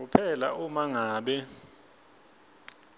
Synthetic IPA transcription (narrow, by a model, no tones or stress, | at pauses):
upʰɛlaʔumaŋaːɓɛ